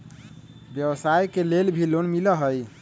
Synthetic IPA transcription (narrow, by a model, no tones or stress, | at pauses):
bjəbsajkelelbʱilonmiləɦəj